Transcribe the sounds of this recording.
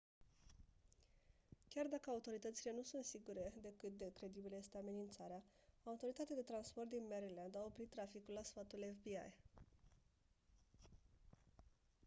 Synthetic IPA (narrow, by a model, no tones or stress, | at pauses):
kʲard̪akəaut̪o̞ɾit̪ət̪sile̞nusunt̪siɡuɾe̞d̪e̞kɨt̪̚d̪e̞kɾe̞d̪ibiləje̞st̪eame̞nint̪saɾea | aut̪o̞ɾit̪at̪ead̪e̞t̪ɾanspo̞rt̪̚d̪inme̞ɾiland̪ao̞pɾit̪ːɾafikulːasfat̪ulefbia̰j